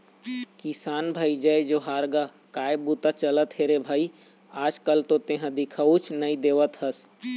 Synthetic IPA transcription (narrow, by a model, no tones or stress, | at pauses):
kɪsaːnbʱaːid͡ʒəed͡ʒoɦaːɾɡa | kaːebut̪at͡ʃələt̪ɦeɾebʱaːiaːd͡ʒkəlt̪õt̪eɦãd̪ɪkʰəut͡ʃʰnəĩd̪eːʋət̪həs